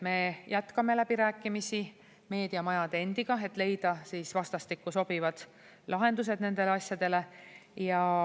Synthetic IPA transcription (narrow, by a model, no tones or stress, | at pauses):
me̞jʔæt̪kɑme̞læb̥iɾæːkːˑimisi | me̞ːd̪̥iɑmɑjɑd̪̥ee̞nd̪̥iɡ̥ɑe̞t̪ːˑle̞jd̪̥ɑsiːsvɑst̪ɑst̪ikːuso̞b̥ivɑd̪̥ | lʔɑɦe̞nd̪us̬e̞d̪̥ne̞nd̪̥e̞leɑsʲjɑd̪̥e̞le̞jɑ